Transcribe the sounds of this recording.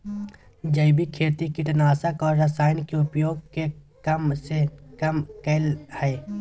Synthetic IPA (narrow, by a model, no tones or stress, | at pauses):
d͡ʒɐɪbikʰeːɾt̪ikiʈənaːsəkɔːɾɾɐsaːɪnkeʊpjoːɡ̚ke | kɐmsekɐmkəlhɛː